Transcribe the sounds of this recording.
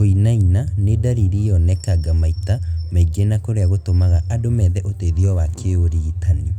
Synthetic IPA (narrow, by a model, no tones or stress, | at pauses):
oinainanedaɾiɾijɔnɛkaɡamaitamɛɡenakoɾeaɣotomaɣaʔadomɛðɛʔoteðiɔwakʰeoɾiɣitane